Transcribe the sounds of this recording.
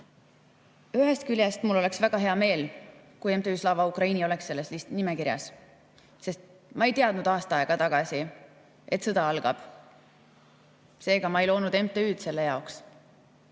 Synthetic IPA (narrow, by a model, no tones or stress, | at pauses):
yɦest̪kylʲjest̪mulːo̞le̞ksvæɡ̥ɑɦe̞ɑme̞ːl | kujemt̪eyːslɑvɑukrɑiːnio̞le̞ksːe̞lːe̞slist̪nimekiɾjɑ̰s | se̞st̪̚ | mɑejt̪eɑd̪̥nud̪̥ɑːst̪ɑɑe̞ɡ̥ɑt̪ɑɡ̥ɑsi | ʔe̞t̪sɤd̪ɑɑlɡ̥ɑb̥ | se̞ːɡ̥ɑmɑe̞jlo̞ːnud̪e̞mt̪ˑeyːd̪̥se̞lːe̞jɑoks